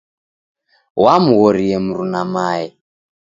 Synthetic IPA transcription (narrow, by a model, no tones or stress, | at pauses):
wamuɣɔɾiɛmuɾunamajɛ